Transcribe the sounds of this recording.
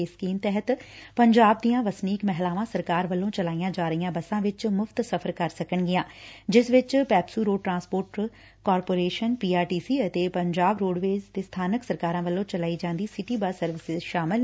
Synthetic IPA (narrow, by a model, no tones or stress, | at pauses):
eskiːmt̪ɛɦət̪pəɲd͡ʒaːb̚d̪ijãːʋəsniːkmɛɦlaːʋãːsəɾkaːɾʋəlːõːt͡ʃəlaːijãːd͡ʒaːɾəijãːbəsãːʋɪt͡ʃmʊfʰt̪səpʰəɾkəɾsəkəɳɡɪjãːd͡ʒɪsʋɪt͡ʃpɛːpsuːɾoːɖ̚ʈɾãːnspoːɾʈ | kɔːɾpoːɾeːʃənpiːaːɾʈiːsiːət̪eːpəɲd͡ʒaːbɾoːɖʋeːzt̪eːst̪ʰaːnəksəɾkaːɾãːʋəlːõːt͡ʃəlaːiːd͡ʒãːnd̪iːsɪʈiːbəsəɾʋɪsɪzʃaːmɪl